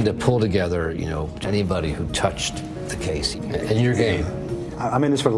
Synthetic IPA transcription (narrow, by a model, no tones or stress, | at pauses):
ntɨpʰʊlˠtɨɡɛðə˞jɨ̰no̰ʊ | ɛñibɑɾihʉtʰʌt͡ʃ | ðɨkʰeɪs | ɨ̃njə˞ɡẽɪ̃m | aaɪ̃mĩnðɪsfə˞